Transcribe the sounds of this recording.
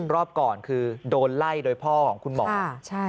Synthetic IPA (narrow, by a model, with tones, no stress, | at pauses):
ɾɔː˥˩p̚kɔː˨˩nkʰɯː˧doː˧nla˥˩jdoː˧jpʰɔː˥˩kʰɔː˩˦ŋkʰu˧nmɔ̰ː˨˦a˥˩t͡ɕʰa˥˩